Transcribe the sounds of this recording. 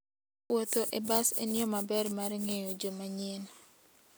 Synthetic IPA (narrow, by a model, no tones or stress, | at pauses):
wot̪oʔebasḛnjɔmabɛrmaɾŋejod͡ʒomaɲen